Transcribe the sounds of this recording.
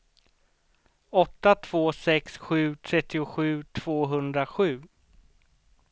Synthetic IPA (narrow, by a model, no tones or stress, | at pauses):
ɔt̪ːat̪ʰv̥oːsɛksɧʉ̟ːt̪ʰɾɛt̪ːɪʊɧʉ̟ːt̪ʰv̥oːɦɵnd̪ɾaɧʉ̟ː